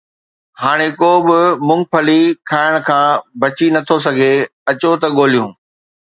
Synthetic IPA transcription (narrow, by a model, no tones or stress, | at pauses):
haːɽ̃ekoːbɪmʊ̃ŋɡ̚pʰɐlikʰaːɪɽ̃kʰãːbɐt͡ɕinɐt̪ʰosɐɡʱeɐt͡ɕot̪ɐɠoːl̤ijũː